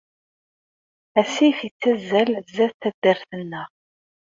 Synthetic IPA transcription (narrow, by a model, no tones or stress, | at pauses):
æsiθit͡sːæzːælzæθθæd̪ːəɾθənːəʁ